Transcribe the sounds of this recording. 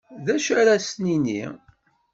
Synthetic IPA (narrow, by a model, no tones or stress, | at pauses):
ðæʃəɾæsninḭ